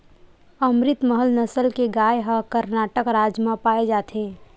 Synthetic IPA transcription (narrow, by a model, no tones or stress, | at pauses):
əmɾɪt̪məɦəlnəsəlkeɡaːjɦəkəɾnaːʈəkɾaːd͡ʒmãpaːed͡ʒaːt̪ẽː